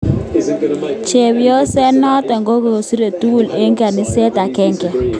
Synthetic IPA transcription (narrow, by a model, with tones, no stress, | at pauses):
t͡ʃɛ˨wi˦jɔ˦sɛ˦nɔ˦tɛ˨ŋɡo˦ko˨o˨si˦ɾe˨tu˦˨le˦ŋɡa˨ni˦sɛ˦ta˨kɛ˦ŋkɛ˨